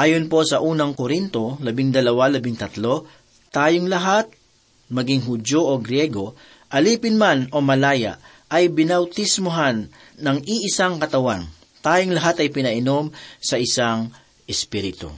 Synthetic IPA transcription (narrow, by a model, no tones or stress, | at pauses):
ʔaːjonpo̞sɐʔuːnɐŋkoɾint̪o̞lɐbɪŋd̪ɐlɐwalɐbɪŋt̪ɐt̪lo̞ | t̪aːjoŋlɐɦat̪̚ | mɐɡɪŋɦʊdo̞ʔoɡɾjɛɡo̞ | ʔɐliːpɪnmano̞mɐlaːjɐ̰ʔ | ʔɐjbɪnɐwt̪ɪsmʊɦanː | ɐŋʔiʔɪsaŋkɐt̪ɐwan | t̪aːjoŋlɐɦat̪ɐjpɪnɐʔɪno̞msɐʔɪsaŋ | ʔɛspiɾɪt̪o̰